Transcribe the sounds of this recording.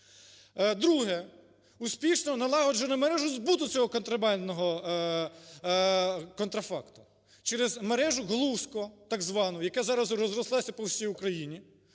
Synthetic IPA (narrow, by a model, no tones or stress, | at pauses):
d̪ɾuɦɛ | uspʲiʃnɔnɐlˠɑɦɔʒɔnʊmeɾɛʒʊzbut̪ʊt͡sʲɔɦɔkɔnt̪ɾɐbɑnʲd̪nɔɦɔ | kɔnt̪ɾɐfɑkt̪ʊ̥ | t͡ʃɛɾɪzmeɾɛʒʊɦlˠuskɔt̪ɑɡzʋɑnʊjɐkɛzɑɾɐzrɔzrɔslˠɑsʲɐpɔlˠsʲijʊkɾɐjinʲi